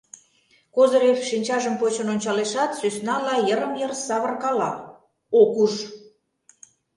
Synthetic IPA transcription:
kozɤɾefʃinʲt͡ɕɑʒəmpot͡ɕŏnonʲt͡ɕɑleʃɑt̪sysnɑlɑjəɾəmjərsɑβərkɑlɑ | okuʃ

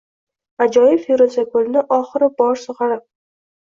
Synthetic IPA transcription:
ad͡ʒɒjɪfeɾozakʰolnɪʔɒχɨɾɪbɒɾsoʁɑɾɪ

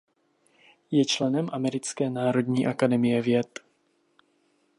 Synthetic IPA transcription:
jɛt͡ʃlɛnɛmʔamɛɾɪt͡skɛːnaːɾo̞dɲiːʔakadɛmɪjɛvjɛt̪

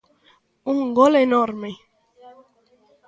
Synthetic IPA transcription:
uŋɡolenoɾme

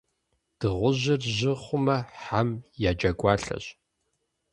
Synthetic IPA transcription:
d̥ɨʁʷʊʑɪrʑɪχʷʊmɐħamjaːd͡ʒʼɐɡʷʼɑːɬɐ̰ɕ

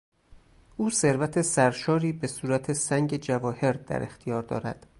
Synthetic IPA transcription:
ʔuːse̞ɾvæt̪ʰe̞sæɾʃɒːɾiːbe̞suːɾæt̪ʰe̞sæŋɟed͡ʒævɒːhe̞ɾd̪æ̰ɾe̞̰xt̪ʰijɒːɾd̪ɒ̰ːɾæ̰d̪̥

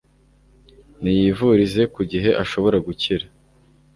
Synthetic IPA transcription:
nijiːvuɾize̞kuɟiɦe̞ʔaʃo̞βo̞ɾaɡuciɾa

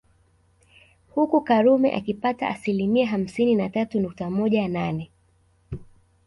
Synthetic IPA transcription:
hukukaɾumɛ̰ʔa̰kipata̰asilimiaɦam̩sininatatunuk̚tamɔʄananɛ

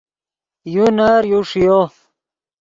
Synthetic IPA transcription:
junaɾjuʂijo

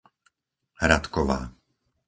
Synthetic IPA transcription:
hɾat̪kɔʋa̰ː

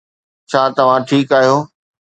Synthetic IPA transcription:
t͡ɕʰaːt̪ɐʋ̤ãʈʰiːkaːɦijoː

